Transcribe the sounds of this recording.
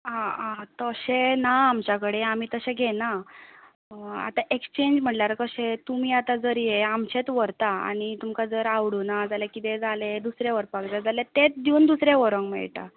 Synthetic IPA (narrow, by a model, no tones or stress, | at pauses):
ɦãat̪əɕenaːmt͡ɕakəɽeam̤iːt̪əɕẽɡʱena | a̰t̪aʔekst͡ɕeɲd͡ʑm̤əʈlaɾkəɕẽt̪umiːat̪ad͡zəɾeamɕet̪ʋəɾt̪aa̰ɽ̃it̪umkad͡zəɾaʋɽunad͡zalekit̪ed͡zaled̪usɾeʋəɾpakd͡zad͡zalet̪et̪d̪uːnd̪usɾeʋəɾə̃ŋɡmɛ̰ɭʈ̪a̰